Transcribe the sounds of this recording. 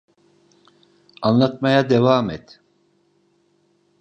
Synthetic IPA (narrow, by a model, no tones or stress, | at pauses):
anlˠat̪̚majad̪evaːmɛt̪